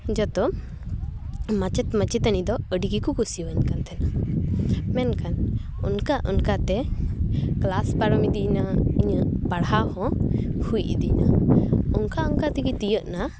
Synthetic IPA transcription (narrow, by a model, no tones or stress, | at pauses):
d͡ʒɔt̪ɔ | mat͡ʃɛt̪mət͡ʃit̪anid̪ɔəɖiɡikukusiwənkant̪ʰɛna | mɛnkanṵnkaʔɔ̰nkat̪ɛ | klaspaɾɔmid̪inaiɲəʔbaɽɦahɔ̃hujʔḭd̪inaɔŋkaɔŋkat̪ɛɡit̪ijəʔna